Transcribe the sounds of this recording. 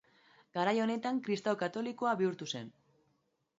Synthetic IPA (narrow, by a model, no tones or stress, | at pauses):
ɡ̥aɾajo̞ne̞t̪aŋkɾist̪awkat̪o̞liko̞aβiuɾt̪use̞̰n